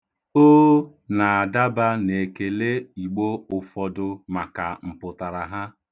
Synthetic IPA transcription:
oː˦ | na˨a˨da˦ba˦ne˨ke˨le˦i˨ɡ͡bo˦ʊ˨fɔ˨dʊ˨ma˨ka˨m̩˨pʊ˨ta˨ɾa˨ɦa˦

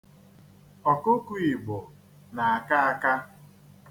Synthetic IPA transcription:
ɔ˨kʊ˦ku˦˨i˨ɡ͡bʊ˨ | na˨a˨ka˦a˦ka˦

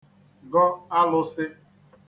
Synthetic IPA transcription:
ɡɔ˦a˦lʊ˦sɪ˦

